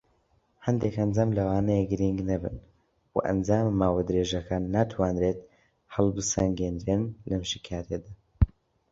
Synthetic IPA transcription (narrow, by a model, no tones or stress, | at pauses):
hɐnd̪ekhɐnd͡zaːmlɐwaːnɛjeɡɨɾiŋɡnɐbɨ̰n | wa̰ʔɐ̰nd͡zaːmːaːwɐd̪ɾeːʒɐkʰaːnːat̪ʰwaːnɾet̪̚ | hɐlˠbɨsɐŋɡeːnɾenlɐmʃikʰaːɾed̪a